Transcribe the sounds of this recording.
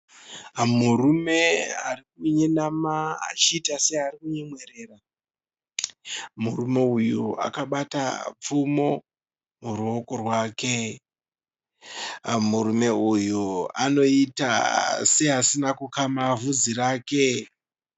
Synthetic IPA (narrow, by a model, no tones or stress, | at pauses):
murume̞a̰rik̚uɲenamaa̰t͡ʃiːtase̞arikuɲemwe̞ɾe̞ːra | murume̞ujuʔa̰kaɓata̰p͡fumo̞ | muɾuo̞ko̞rwaːke̞ | muɾume̞ujua̰no̞ita̰se̞ɦasinakukamavud͡ziraːke̞